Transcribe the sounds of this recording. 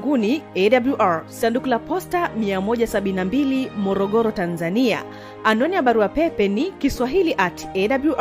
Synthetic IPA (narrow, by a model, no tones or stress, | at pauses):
ɡuniɛɗabluʔaɹsandukulapɔstamiamɔʄasaɓininambilimɔɾɔɠɔɾɔtanzania̰ | anɔniaɓaɾuapɛpɛnikiswaɦiliʔatɛɗabluʔ